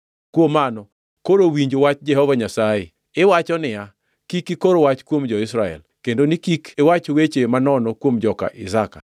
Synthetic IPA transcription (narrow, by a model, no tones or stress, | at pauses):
kwomanɔ | koɾowiɲd͡ʒowat͡ʃd͡ʒɛhɔvaɲasaje | ɪwat͡ʃɔnɪja | kikikoɾowat͡ʃkwomd͡ʒɔɪsɾaɛ̰l | kendonikikewat͡ʃowet͡ʃemanɔnɔkwomd͡ʒɔka̰ʔɪzaka̰